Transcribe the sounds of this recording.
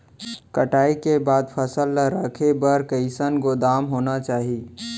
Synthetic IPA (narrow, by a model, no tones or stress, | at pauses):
kəʈaːikebaːd̪pʰəsəlːəɾəkʰebəɾkəɪsənɡod̪aːmɦoːnat͡ʃaːɦi